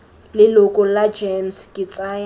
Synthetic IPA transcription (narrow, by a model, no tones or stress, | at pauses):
lɪlʊkʼʊlad͡ʒemskʼɪt͡sʼaːja